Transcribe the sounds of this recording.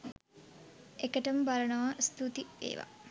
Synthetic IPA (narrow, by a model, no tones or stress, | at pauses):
ekəʈəmbaɾənəʋast̪ut̪iʋḛːʋa̰